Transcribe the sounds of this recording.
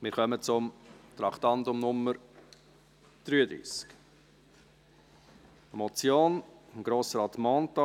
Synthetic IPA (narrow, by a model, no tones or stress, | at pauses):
mɪːɾχœmət͡sʊmt̪ɾɑkt̪ɑntʊmnʊmːəɾ | d̪̥ɾyːəd̪ɾḭːsk | ɛmot͡sjoːnnɡ̥ɾoːsəɾɑtmɑːntɑ